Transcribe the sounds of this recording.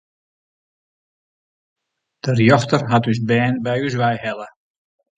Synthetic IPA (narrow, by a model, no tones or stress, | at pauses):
d̥ərjɔxtərɦatysbɛːnbɛjys̬ʋɛjhɛlˠə